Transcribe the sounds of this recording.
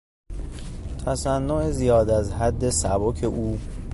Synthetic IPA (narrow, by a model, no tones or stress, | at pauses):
t̪ʰæsænːoezijɒːd̪æzɦæd̪ːe̞sæbocʰe̞ʔuː